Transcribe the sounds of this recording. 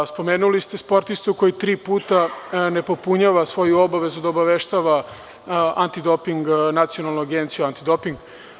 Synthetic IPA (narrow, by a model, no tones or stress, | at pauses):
spo̞meːnulist̪e̞spo̞ɾt̪ist̪uko̞jit̪ɾiːpuːt̪ane̞po̞puɲaːʋasʋo̞juo̞baʋe̞zud̪aobaʋeʃt̪aʋa | ant̪id̪o̞piŋɡnat̪sio̞nalˠnoaɡent̪sijuant̪id̪o̞piŋɡ